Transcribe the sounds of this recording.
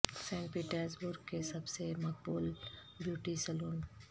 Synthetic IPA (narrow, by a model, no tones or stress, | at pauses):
sɛ̃ːɳʈpiːʈəɾsbʊɾɡ̚kesɐbsemɐk̚buːl | bjuːʈisɛloːn